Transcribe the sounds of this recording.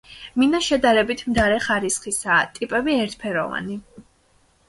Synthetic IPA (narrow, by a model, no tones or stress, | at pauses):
minaʃɛd̪aɾɛbit̪ʰmd̪aɾɛχaɾisχisaːt̪ʼipʼɛbiɛɾt̪ʰpʰɛɾɔva̰ni